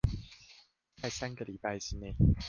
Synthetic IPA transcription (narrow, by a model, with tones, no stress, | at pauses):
t͡sa˥˩ɪsa˦nɡə˨li˨˩pa˥˩ɪɕi˥˧ne˥˩ɪ